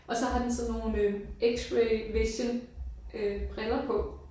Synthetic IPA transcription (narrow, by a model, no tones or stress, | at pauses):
ʔɒ̽sɒ̽ɦɑ̈d̥ensɒnnːo̝ːnøeɡ̥sʁeʋeɕənʔøb̥ʁɛlɐpʰɒ̽